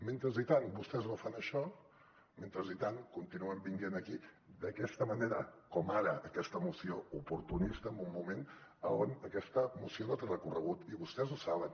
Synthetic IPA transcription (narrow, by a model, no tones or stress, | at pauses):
ment̪ɾəzit̪anbust̪ɛznofanəʃɔ | ment̪ɾəzit̪ankunt̪inuəmbiŋɡenəki | d̪əkɛst̪əməneɾə̰kɔmaɾəːkɛst̪əmusioupuɾt̪unist̪əːmbumːumen | ə̰onəkɛst̪əmusionot̪erəkurəɣ̞ut̪iβust̪ɛzusaβən